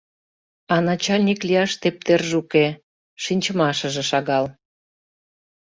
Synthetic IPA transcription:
ɑnɑt͡ɕɑlʲnʲiklijɑʃt̪ep̚t̪erʒuke | ʃinʲt͡ɕəmɑʃə̆ʒĕʃɑɣɑl

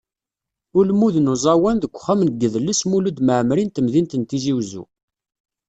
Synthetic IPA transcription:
ʊlmuðənuzˤɑwænðəkʷːχæmnɡːəðlːəsmulud̪məʕmɾint̪əmðint̪ənt̪iziwzṵ

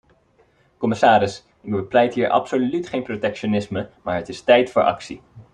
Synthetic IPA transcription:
kɔmɪsaːɾɪs | ɪɡ̚bəplɛjtɦiːɹʔɑ̰psolytχejnprotɛkʃonɪsməmaːɹɦətɪstɛjtfʊːɹʔɑ̰ksi

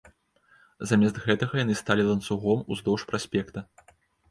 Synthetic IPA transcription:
zamʲɛst̪ɣɛt̪ɐɣɐjanɨst̪alʲilˠɐnt̪suɣɔmuzd̪ɔwʂpɾasʲpʲɛkt̪ɐ

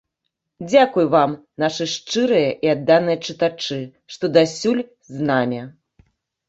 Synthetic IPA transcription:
d͡zʲakujvam | naʂɨʂt͡ʂɨɾɨjɐʔiad̪ːanɨjɐt͡ʂɨt̪at͡ʂɨ | ʂt̪ɔd̪asʲulʲ | znamʲɛ

